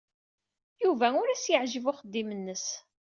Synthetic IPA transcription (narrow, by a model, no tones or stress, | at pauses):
juvæʊɾæsjəʕʒəvʊχəd̪ːimənːəs